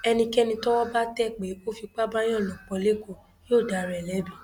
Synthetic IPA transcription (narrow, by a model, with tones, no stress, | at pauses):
ɛ˧nĩ˧kɛ˦nĩ˧tɔ˦wɔ˦ba˦tɛ˦k͡pe˨˦o˦fi˧k͡pa˦ba˦j̃ɔ̃˦˨lɔ̃˨k͡pɔ˧le˦ko˦˨ | jo˦˨da˨ɾɛ˨lɛ˨˦bi˦˨